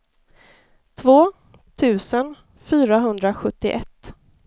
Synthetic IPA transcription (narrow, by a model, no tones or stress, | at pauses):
t̪ʰvoː | t̪ʰʉ̟ːsən | fyːɾaɦɵnd̪ɾaɧɵt̪ːɪ̰ʔɛt̪ː